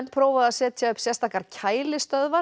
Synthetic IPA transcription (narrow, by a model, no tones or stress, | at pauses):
npʰɾoːwvaðasɛːt̪ʰjaʏpsjɛ̥st̪ʰaːhkaɾ̥cʰaːjlɪstt̪œðva